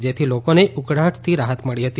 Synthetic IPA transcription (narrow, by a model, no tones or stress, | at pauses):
d͡ʒet̪ʰilokoneʊkɽaʈʰt̪ʰiɾaɦət̪məɭiɦət̪i